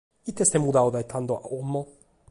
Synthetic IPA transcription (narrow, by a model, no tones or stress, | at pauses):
it̪est̪ɛmud̪aod̪ajet̪ʰand̪oa̰omːɔ